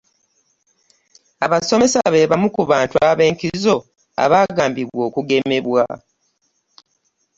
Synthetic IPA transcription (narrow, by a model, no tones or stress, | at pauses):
aβaso̞me̞saβe̞βamukuβaːntuaβe̞ːŋkizo̞ | a̰βaːɡaːmbiβwo̞ːkuɡe̞me̞βwa̰